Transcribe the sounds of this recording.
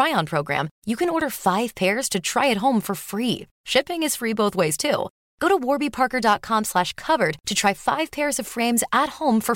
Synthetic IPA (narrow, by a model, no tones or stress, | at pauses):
ɹaɪɑ̃npʰɹ̥oʊɡɹæ̰̃mjɨkɨ̃nɔɹɾə˞faɪv̥pʰɛɹz̥tʰɨtʰɹ̥a̰ɪɨt̚ɦõʊ̃ɱfə˞fɹi | ʃɪpɪ̃ŋɨz̥fɹiboʊθweɪz̥tʰṵ | ɡ̥oʊɾəwɔɹbipʰɑɹkə˞dɑt̚kʰɑ̃mslæʃkʰʌvə˞d̚tʰɨtʰɹ̥aɪfa̰ɪv̥pʰɛɹzʌv̥fɹẽɪ̃mzət̚hõʊ̃ɱfə˞